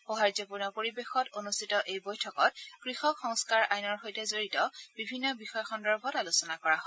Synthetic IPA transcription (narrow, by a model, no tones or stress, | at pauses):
xoɦaɹzɔpuɹnɔpoɹibexɔtonustitɔʔejbojtʰɔkɔt̚kɹixɔkxɔŋskaɹʔajnɔɹxojtɛzoɹitɔbibʱinːɔbixɔjɔxɔndɔɹbʱɔtalusɔnakɔɹaɦɔj